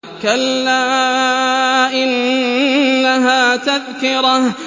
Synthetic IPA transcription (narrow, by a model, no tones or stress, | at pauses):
kalːaː | ʔɪnː | aɦaːt̪aðkɪɾɑh